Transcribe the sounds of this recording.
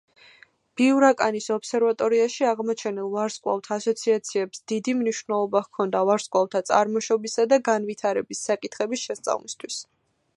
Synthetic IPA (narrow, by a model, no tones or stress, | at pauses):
b̥iuɾakʼanisɔpsɛɾvat̪ʼɔɾiaʃiaʁmɔt͡ʃʰɛnilˠvaɾskʼwa̰lˠt̪ʰasɔt̪sʰiat̪sʰiɛpsd̪̥id̪imniʃvnɛlˠɔbaχkʰɔnd̪avaɾskʼwalt̪ʰat̪sʼa̰ɾmɔʃɔbisad̪aɡanvit̪ʰaɾɛbisːakʼit̪ʰχɛbisʃɛst̪sʼa̰vlist̪ʰwis